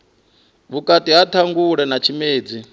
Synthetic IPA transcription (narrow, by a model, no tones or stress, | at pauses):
βukʼatʼiɦatʰaŋɡuɺɛnat͡ʃʰimeːd͡zi